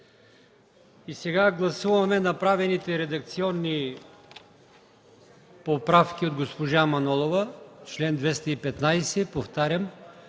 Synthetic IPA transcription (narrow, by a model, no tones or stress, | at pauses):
isɛɡaɡlˠɐsuvɐmɛnɐpɾavɛnit̪ɛɾɛd̪ɐkt̪siɔnːi | popɾafkiod̪ɡospoʒamɐnɔlˠovət͡ʃlɛnd̪vɛst̪ɐipɛt̪najsɛpoft̪aɾʲjəm